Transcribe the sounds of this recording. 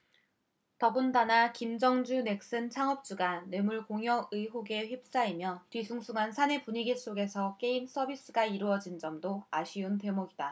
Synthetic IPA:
tʌbundanakimd͡ʑʌŋd͡ʑune̞k̚s͈ɯnt͡ɕʰaŋʌp̚t͡ɕ͈uɡane̞muɭkoŋɦjʌɯiɦoɡe̞ɸjip̚s͈aimjʌtwɥisʰuŋsʰuŋɦansʰane̞puɲiɡiɭs͈oɡe̞sʰʌk͈e̞ims͈ʌbis͈ɯɡaiɾuʌd͡ʑind͡ʑʌmdoaɕʰiunte̞moɡida

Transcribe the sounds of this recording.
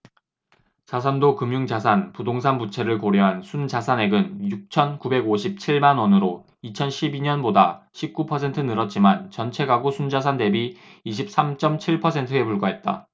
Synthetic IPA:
t͡ɕasʰandokɯmjuŋd͡ʑasʰanpudoŋsʰanput͡ɕʰe̞ɾɯɭkoɾjʌɦansʰund͡ʑasʰane̞ɡɯnjuk̚t͡ɕʰʌnkube̞ɡoɕʰip̚t͡ɕʰiɭmanwʌnɯɾo | it͡ɕʰʌnɕʰibiɲʌnbodaɕʰip̚k͈upʰʌs̬ʰe̞ntʰɯnɯɾʌt̚t͡ɕ͈imant͡ɕʌnt͡ɕʰe̞ɡaɡosʰund͡ʑas̬ʰande̞biiɕ̬ʰip̚s͈amt͡ɕ͈ʌmt͡ɕʰiɭpʰʌsʰe̞ntʰɯe̞puɭɡaɦe̞t̚t͈a̰

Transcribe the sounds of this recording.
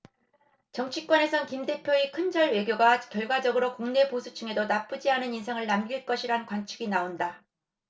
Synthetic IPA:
t͡ɕʌŋt͡ɕʰik͈̚wʌne̞sʰʌnkimde̞pʰjoekʰɯnd͡ʑʌɭwe̞ɡjoɡakjʌɭɡwad͡ʑʌɡɯɾokoŋne̞posʰut͡ɕ͈ɯŋe̞donap͈ɯd͡ʑiɦanɯninsʰeŋɯɭnamɡiɭk͈ʌɕʰiɾankwant͡ɕʰɯɡinaonda

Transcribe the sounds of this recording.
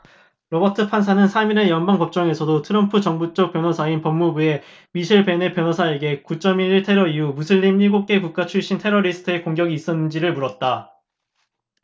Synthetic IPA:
ɾobʌtʰɯpʰansʰanɯnsʰamine̞jʌnbaŋkʌp̚t͡ɕ͈ʌŋe̞sʰʌdotʰɯɾʌmpʰɯt͡ɕʌŋbut͡ɕ͈ʌk̚p͈jʌnʌsʰainpʌmːubue̞ | miɕʰiɭpe̞ne̞pjʌnɦʌsʰaeɡe̞kut͡ɕ͈ʌmiɾiɭtʰe̞ɾʌiumusʰɯʎːinːiɡok͈̚e̞puk͈at͡ɕʰuɭɕ͈intʰe̞ɾʌɾisʰɯ̥tʰɯekoŋɡjʌɡiːs͈ʌnːɯnd͡ʑiɾɯɭmuɾʌt̚t͈a

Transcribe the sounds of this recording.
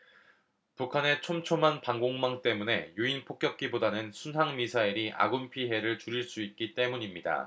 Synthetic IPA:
pukʰane̞t͡ɕʰomt͡ɕʰomanpaŋɡoŋmaŋt͈e̞mune̞juinpʰok͈̚jʌk̚k͈ibodanɯnsʰunɦaŋmisʰaiɾiʔa̰ɡumpʰiɦe̞ɾɯɭt͡ɕuɾiɭs͈uit̚k͈it͈e̞muɲimɲida̰

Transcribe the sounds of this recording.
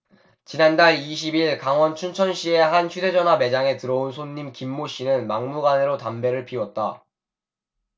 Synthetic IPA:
t͡ɕinandaɭiɕ̬ʰibiɭkaŋwʌnt͡ɕʰunt͡ɕʰʌnɕ͈ie̞hançjude̞d͡ʑʌnɦwame̞d͡ʑaŋe̞tɯɾʌonsʰonːimkimːoɕ͈inɯnmaŋmuɡaneɾotambe̞ɾɯɭpʰiwʌt̚t͈a

